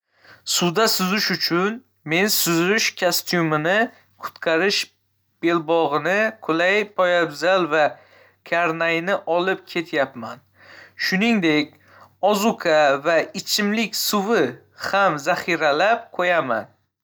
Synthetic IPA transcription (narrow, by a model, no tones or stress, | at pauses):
sʊd̪asʊzɪʃʊt͡ʃʰʊn | me̞nsʊzʊʃkʰʲast̪ʰjʊmɪnɪ | qʰʊ̥t̪qʰɑɾɪʃ | b̥e̞lbɒʁɨnɪkʰʊlajpʰɒjabzalva | kʲʰaɾnajnɪʔɒlɪp̚kʲʰe̞t̪ʰjapman | ʃʊniŋd̪e̞kʲ | ɒzukʰavaɪt͡ʃʰɪmlɪkʲsʊwɪ | hamzaχiɾalap̚qʰojama̰n